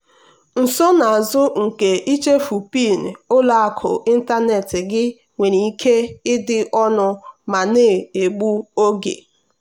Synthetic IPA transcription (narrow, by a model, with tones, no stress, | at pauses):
n̩˨sɔ˦na˨a˨zʊ˦ŋ̩˨ke˨ʔi˦t͡ʃe˦fu˨pi˦˨n˨ʊ˦la˨a˦kʰʊ̰˨ʔi˦n̩˦ta˦ne˨tɪ˨ɡɪ˦ | ŋʷe˨ni˨˦kʰe˦ɪ˦dɪ˦ʔɔ˦nʊ˦ma˨ne˦˨e˨ɡ͡bu˦o˦ɡḛ˨